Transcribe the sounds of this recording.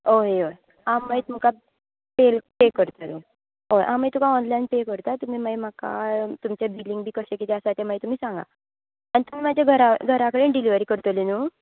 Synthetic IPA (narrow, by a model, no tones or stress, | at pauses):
oɦeo | amːəjt̪um̤əka | pelpekəɾt̪ənu | oʔamːəjt̪ukãɔnlanpekəɾt̪at̪umiːməjmaka̰t̪umt͡ɕebiliŋɡbʱiːkəɕekit̪ɛasat̪eməjt̪um̤iːsãŋɡa̰ | anit̪um̤iːmad͡ʑʱjaɡʱəɾaɡʱəɾakəɽeːnɖiliʋəɾiːkəɾt̪əlinuː